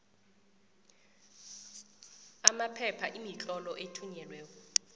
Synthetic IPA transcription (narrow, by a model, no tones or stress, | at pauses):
amapʰɛpʰaʔimit͡ɬʼɔlɔʔetʰuɲɛlwɛːk̬ɔ